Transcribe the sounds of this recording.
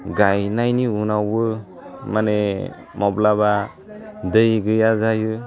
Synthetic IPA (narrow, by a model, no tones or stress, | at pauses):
ɡajnajniunawbɯ | mane | mɔblaba | dɯjɡɯjazajɯ